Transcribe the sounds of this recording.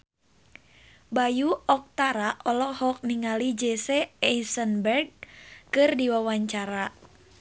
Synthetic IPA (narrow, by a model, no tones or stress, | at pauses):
bajuɔk̚t̪aɾaʔɔlɔhɔk̚niŋalid͡ʒɛsɛɛisənbɛrɡ̚kɨrdiwawaɲt͡ʃaɾa